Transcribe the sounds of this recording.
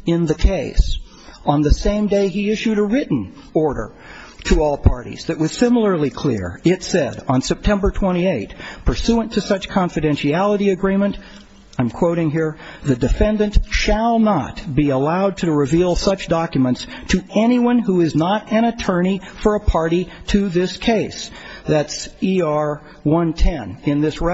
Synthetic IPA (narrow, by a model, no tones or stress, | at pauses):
ɪ̃nðɨkʰeɪs | ə̃n̩ðɨsẽɪ̃mdeɪiɪʃʉɾəɹɪʔn̩ | ɔɹɾə̰˞ | ɾəɔlˠpʰɑɹɾḭz̥ðɨʔ̚wʌz̥sɪ̃ml̩ˠə˞likʰl̥ɪ̰ɹɪtsɛɾn̩sɛp̚tʰɛ̃mbə˞tʰw̥ɛ̃ɾ̃ieɪt̚pʰə˞sʉə̃ntʰɨsʌt͡ʃkʰɑ̃ɱfɨɾɛ̃nʃiælˠəɾiɨɡɹĩmɨ̃n | ãɪ̃mkʰw̥oʊɾɪ̃ŋɦiɹ | ðɨdɨfɛ̃ndɨ̃nʔʃəlˠnə̰t̚b̥iəlaʊd̚tʰɨɹɨvilˠsʌt͡ʃd̥ɑkjɨmə̃ntstʰɨɛñiwʌ̃nɦuɪznəɾɨ̃ɾ̃ɨtʰɜ˞ñifə˞əpʰɑɹɾiɾɨðɪskʰeɪsðætsiɑɹ | wʌ̃ntʰɛ̃nɪ̃nðɪsɹɛ